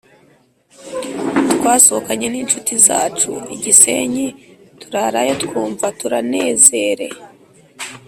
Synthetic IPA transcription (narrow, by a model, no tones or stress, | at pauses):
twaːsookaɲe̞nint͡ʃutiza̰ːt͡ʃṵḭɟise̞̰ɲetuɾaɾajotkuːɱvatuɾane̞ːze̞ɾe̞̰